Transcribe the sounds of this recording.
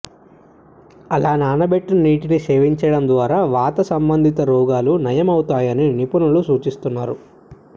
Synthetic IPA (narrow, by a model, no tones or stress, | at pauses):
ɐlaːnaːnɐbeʈːunɐniːʈiniseːʋiɲt͡ʃɐɽɐmd̪ʋaːɾaːʋaːt̪ɐsɐmbɐnd̪ʱit̪ɐɾɔːɡaːlunɐjɐmɐwt̪aːjɐninipunulusuːt͡ʃist̪unːaːɾu